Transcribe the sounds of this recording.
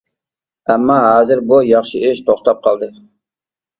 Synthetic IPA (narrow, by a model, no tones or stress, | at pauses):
æmːɑɦɑːzɪɾbujɑχʃɪʔɪʃt̪ʰoχt̪ɑp̚qʰɑlˠd̪ɨ